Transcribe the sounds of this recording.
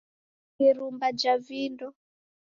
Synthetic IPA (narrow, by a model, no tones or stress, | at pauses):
kiɾumbad͡ʒavindɔ